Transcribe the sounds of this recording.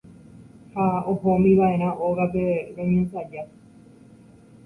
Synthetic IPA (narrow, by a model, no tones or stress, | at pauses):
haohomĩʋaʔe̞ɾ̃ãʔoɣape̞ɾõɲẽsad͡ʒa